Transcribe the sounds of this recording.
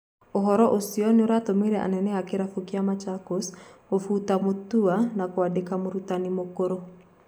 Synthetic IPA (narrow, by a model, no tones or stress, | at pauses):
oɦɔɾɔʔosiɔnioɾatomeɾɛʔa̰nɛnɛakeɾafukiamat͡ʃakosofutamotuanakoadekamoɾutanimokoɾo